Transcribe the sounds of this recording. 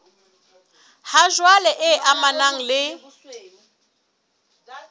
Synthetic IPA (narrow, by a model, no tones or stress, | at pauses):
haʒwalɛʔɪʔamanaŋ̩lɪ